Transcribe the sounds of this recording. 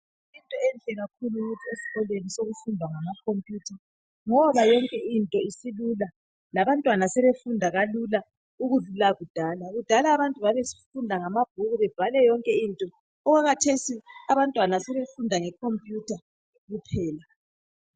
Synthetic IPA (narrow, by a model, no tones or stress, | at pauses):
intʼɔɛnɬɛɣak̚ʰuluuɣutʰiesi̥ɣɔlwenisoɣufundʱwaŋamakʰompʼjuːtʰa | ŋɔβajɔŋkʼɛintʼɔisilula | laβantʼwanasɛβefundʱaɣalula | uɣuɮulaɣud̥ʱaːlaɣud̥ʱalaːβantʼuβaβesi̥fundʱaŋamab̥̚ʱuɣuβɛb̥ʱalɛjɔŋkʼɛintʼɔː | ɣaɣatʰesiaβantʼwanasɛβefundʱaŋɛkʰompʼjutʰa | ɣupʰɛːla